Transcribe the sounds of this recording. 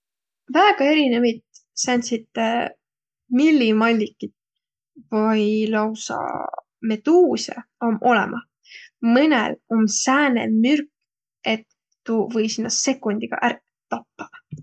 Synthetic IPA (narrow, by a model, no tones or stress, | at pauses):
væːɡ̥ɑe̞ɾinevit̪sænʲsit̪ːe | milʲːimɑlʲːikːˑit̪ | vɤjlɑwsɑ̰ | me̞d̪̥uːsʲḛomʔo̞lḛmʔɑ | mɯnḛlomsæːnḛmyrk | et̪ː | uvɤjsinːɑse̞kːˑunʲd̪iɡ̥ɑ̰ʔær | t̪ɑpːɑ̥